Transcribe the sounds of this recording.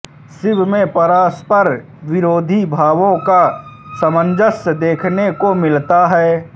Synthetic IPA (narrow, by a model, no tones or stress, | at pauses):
sɪbmẽpəɾaːspəɾ | ʋɪɾoːd̪ʱibʱaːʋõkasəmə̃nd͡ʒəsd̪eːkʰnekomɪlt̪aɦɛː